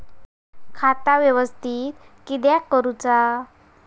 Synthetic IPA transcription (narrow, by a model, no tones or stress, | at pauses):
kʰat̪aʋjəʋəst̪iːt̪kid̪jakːəɾut͡sa